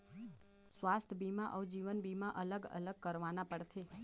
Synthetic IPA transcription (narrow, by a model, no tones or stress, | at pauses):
sʋast̪ʰbimaʔəwd͡ʒiʋənbimãʔələɡə̰ləɡ̚kəɾʋanapəɽt̪ʰe